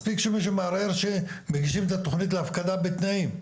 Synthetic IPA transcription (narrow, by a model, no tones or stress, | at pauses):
spikʃemiʃ̬umaaɾeɾʃe | meɡiʃimet̪at̪o̞χnit̪̬leafkad̪abet̪naim